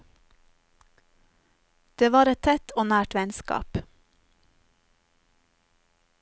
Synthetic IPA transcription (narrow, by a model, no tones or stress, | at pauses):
d̪̥eːʋɑːɾɛtt̪ʰɛt̪ʰoːnæːʈʋɛnskɑ̰ːp